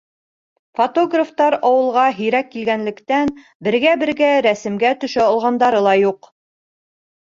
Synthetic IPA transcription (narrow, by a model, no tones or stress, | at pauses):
fot̪oɡraft̪ɑɾɑwɤ̆lˠʁɑɦɵ̆jɾækːilɡænlɘ̆kt̪æn | bɘ̆ɾɡæbɘ̆ɾɡæɾæsɘ̆mɡæt̪ɵ̆ʃæɑlˠʁɑnd̪ɑɾɤlˠɑjuq